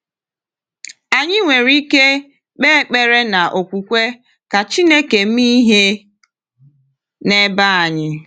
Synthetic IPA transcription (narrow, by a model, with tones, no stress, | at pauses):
a˨ɲɪ˦ŋʷe˨ɾi˦ke˦ | k͡pe˦k͡pe˦ɾe˦na˨ʔo˨kʷu˨kʷe˦ | ka˨t͡ʃi˦ne˦ke˨m̩˦i˦ɦe˦ | ne˦ba˦a˨ɲɪ˦